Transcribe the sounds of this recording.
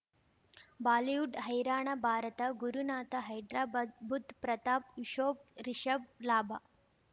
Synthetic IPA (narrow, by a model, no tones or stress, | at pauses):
baːlijuɖɦɐjɾaːɳɐbʱaːɾɐt̪ɐɡuɾunaːt̪ɐɦɐjɖɾaːbʱut̪pɾɐt̪aːpʋiʃoːp̚ɾiʃɐb̚laːbʱa